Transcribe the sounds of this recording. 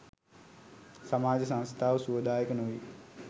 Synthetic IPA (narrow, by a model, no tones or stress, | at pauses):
samaːd͡ʒəsãnst̪ʰaːʋəsuʋəd̪aːjəkənoʋi